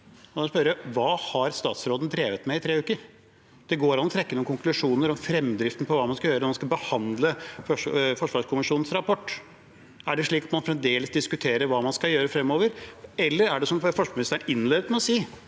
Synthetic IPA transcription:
ɔspœɾəjæʋɑːhɑɾst̪ɑːt̪sɾoːd̪nd̪ɾeːʋət̪mɛɪt̪ʰɾeːʉːkəɾ | d̪̥ɛɡoːɾɑnːɔt̪ʰɾɛkːənuːkʊŋklʉʂuːnəɾɔmfɾɛmd̪ɾɪft̪ənəpʰɔʋɑːmɑnskɑjøːɾəmɑnskɑbəhɑnd̪ləfɔfɔʂʋɑːʂkʰʊmɪʂuːnn̩sɾɑpʰɔʈː | æɖɛʂɭiːkɔt̪mɑnfɾɛmd̪eːləsd̪ɪskʉt̪ʰeːɾəɾʋɑːmɑnskɑjøːɾəfɾɛmːoːʋəɾɛlːəɾæɖɛsɔmfɔʂkmɪnɪst̪æɳɪnleːd̪ət̪mɛɔsiː

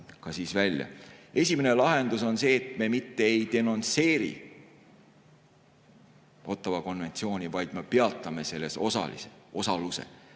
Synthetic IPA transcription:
kɑsiːsvælʲjɑ̰e̞sʲimine̞lɑɦe̞nd̪uso̞nse̞ːt̪me̞mit̪ːe̞ejd̪e̞no̞nt̪se̞ːɾḭ | o̞t̪ːˑɑvɑko̞nve̞nt̪sio̞ːnʲivɑjd̪̥mepe̞ɑt̪ːˑɑme̞se̞lːe̞so̞sɑ̰lḭseo̞sɑluse̞̰

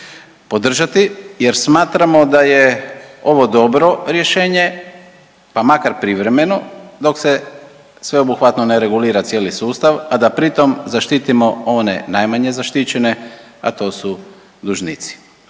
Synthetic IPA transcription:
po̞d̪r̩ʒat̪ije̞ɾsmaːt̪ɾamo̞d̪aje̞o̞ʋo̞d̪o̞bɾo̞ɾje̞ʃe̞ːɲe̞ | pamakaɾpɾiʋɾe̞me̞no̞d̪o̞kse̞ | sʋe̞obuxʋat̪no̞neɾe̞ɡuliːɾat̪je̞ːlisuːst̪aʋad̪apɾit̪o̞mzaʃt̪it̪imo̞o̞ne̞̰najmaɲe̞zaʃt̪it͡ɕe̞ne̞ | a̰t̪o̞ːsu | d̪uʒnit̪si̥

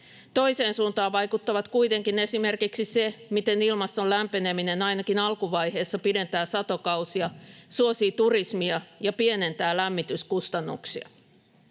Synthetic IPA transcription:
t̪o̞ise̞ːnsuːnt̪ɑːʋʋɑjkut̪ːɑʋɑt̪kuijt̪e̞ŋkine̞sime̞rkiksise̞mit̪e̞nilmɑst̪o̞læmpene̞mine̞nɑjnɑkinɑlkuʋɑjhe̞ːsːɑpide̞nt̪æːsɑt̪o̞kɑwsiɑsuosiːt̪urismiɑjɑpie̞ne̞nt̪æːlæmːit̪yskust̪ɑnːṵksiɑ̰

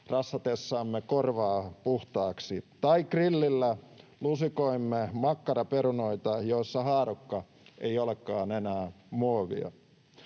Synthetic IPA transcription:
rɑsːɑt̪esːɑːmːekorʋɑːpuht̪ɑːksit̪ɑikrilːilːælusikoimːemɑkːɑɾɑpeɾunoit̪ɑjoisːɑhɑːɾukːɑ | ʔejolekːˑɑːnenæː | muoʋḭɑ̰

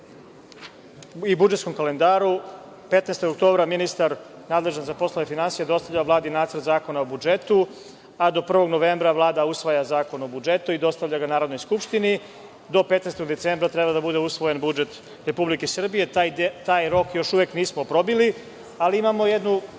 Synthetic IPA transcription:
ibud͡ʒet̪sko̞mkale̞nd̪aːɾu | pe̞t̪nest̪oɡok̚t̪o̞ːbɾaminist̪aɾ | naːd̪le̞ʒanzapo̞slˠoʋefinansijed̪o̞st̪avʎavlaːd̪inaːt̪sɾrt̪zaːko̞naobud͡ʒe̞t̪u | ad̪o̞pr̩ʋo̞ɡno̞ʋembɾaʋlˠaːd̪ausʋajazaːko̞no̞bud͡ʒe̞t̪uid̪o̞st̪avʎʲaɡanaːɾo̞d̪no̞jskupʃt̪ini | d̪o̞pet̪neːst̪o̞ɡd̪e̞t̪seːmbɾat̪ɾebad̪abud̪e̞usʋo̞jenbud͡ʒe̞t̪ | ɾe̞publikesr̩bije̞t̪aːjɾo̞kjo̞ʃuʋekniːsmopɾo̞bili | aliimamo̞jed̪nu

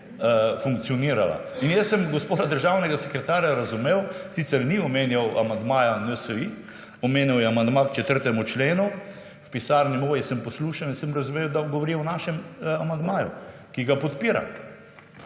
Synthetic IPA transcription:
fuŋkt̪sijɔniːɾala̰ | injɛsːəmɡospoːd̪ad̪əɾʒawnɛɡasɛkɾɛt̪aːɾjaɾɐzumeːwsit̪sɛɾniɔmeːnjawʔamand̪maːjanəsəʋi | ɔmeːnjawjɛamand̪makt͡ʃɛt̪əɾt̪ɛmut͡ʃleːnu | wpisaːɾnimoːjisəmpɔsluːʃaninsəmɾɐzumewd̪aɡɔʋɔɾiwnaːʃɛmamand̪maːjṵ | kiɡapɔt̪piːɾa̰

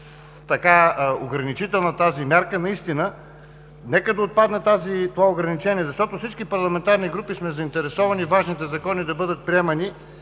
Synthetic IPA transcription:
t̪ɐkaoɡɾɐnit͡ʃit̪ɛlˠnɐt̪azimʲjaɾkənɐist̪inə | nɛkəd̪ɐot̪̚pad̪nɛt̪azit̪ovaoɡɾɐnit͡ʃɛniɛzɐʃt̪ɔt̪ofsit͡ʃkipɐɾlˠɐmɛnt̪aɾniɡɾupismɛzɐint̪ɛɾɛsɔvɐnivaʒnit̪ɛzɐkɔnid̪ɐbɤd̪ət̪̚pɾiɛmɐni

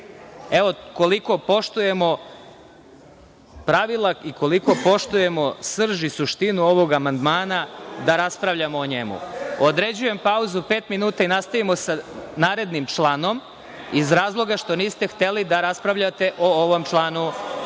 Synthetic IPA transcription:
eʋo̞ko̞liko̞po̞ʃt̪uje̞mo̞ | pɾaʋilˠaiko̞liko̞po̞ʃt̪uje̞mo̞sr̩ʒisuʃt̪inuo̞ʋo̞ɡamand̪maːnad̪aɾaspɾaʋʎamoːɲemṵod̪ɾe̞d͡ʑuje̞mpauzupeːt̪minuːt̪ainast̪aʋimo̞sanaːɾe̞d̪nimt͡ʃlˠano̞m | izɾaːzlˠo̞ɡaʃt̪o̞niːst̪e̞xt̪e̞lid̪aɾaspɾaʋʎat̪e̞ʔooʋo̞mt͡ʃlˠanu

